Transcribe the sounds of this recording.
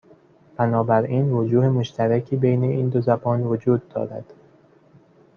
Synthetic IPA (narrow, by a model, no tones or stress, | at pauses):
b̥ænɒːbæɾiːnvod͡ʒuːhemo̞ʃt̪ʰæɾæcʰiːbejne̞iːnd̪ozæbɒːnvod͡ʒuːd̪̚ːɒ̰ːɾæ̰d̪̥